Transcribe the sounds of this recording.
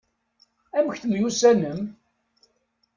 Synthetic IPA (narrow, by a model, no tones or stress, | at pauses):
æməçθəmjusænəm